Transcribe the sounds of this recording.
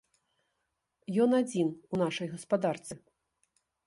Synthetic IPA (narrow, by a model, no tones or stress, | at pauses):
jɔnad͡zʲinunaʂɐjɣɐspad̪art̪sɨ